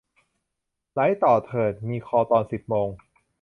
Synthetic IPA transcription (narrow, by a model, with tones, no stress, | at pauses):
la˦˥jt̪ɔː˨˩t̪ʰɤː˨˩t̪̚miː˧kʰɔː˧t̪ɔː˧nsi˨˩p̚moː˧ŋ